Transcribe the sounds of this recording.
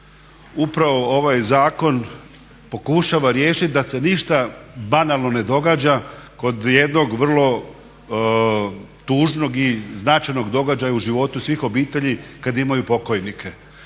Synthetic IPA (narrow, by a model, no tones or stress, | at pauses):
upɾaʋo̞o̞ʋajzaːko̞n | po̞kuʃaʋaɾje̞ːʃit̪̚ʲd̪ase̞niʃt̪abanalˠno̞ne̞d̪o̞ɡaːd͡ʑako̞d̪je̞d̪no̞ɡʋr̩lˠo̞ | t̪uːʒno̞ɡiznat͡ʃajno̞ɡd̪o̞ɡad͡ʑajauʒiʋo̞t̪usʋixo̞biːt̪e̞ʎikad̪imajupo̞ko̞jnikʰe̞